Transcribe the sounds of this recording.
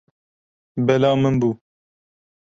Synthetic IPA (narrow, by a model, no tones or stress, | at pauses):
bɛlɑːmənbuː